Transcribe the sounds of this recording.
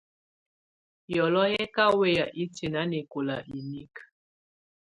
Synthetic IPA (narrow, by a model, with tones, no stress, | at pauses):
jɔ˨lɔ˦jɛ˦ka˦we˦˨ja˨ʔi˦te˨na˦ne˨ko˨la˨ʔi˨ni˦k